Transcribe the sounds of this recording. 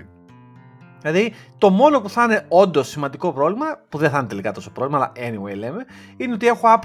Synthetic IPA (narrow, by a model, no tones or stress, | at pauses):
ilɐðit̪o̞mo̞no̞puθɐne̞o̞nd̪o̞sːimɐnd̪iko̞pɾo̞vlimɐpuðeθɐnet̪e̞likɐt̪o̞sopɾovlimɐːlɐ̰ʔeniwejleme | ineo̞t̪ie̞xuɐp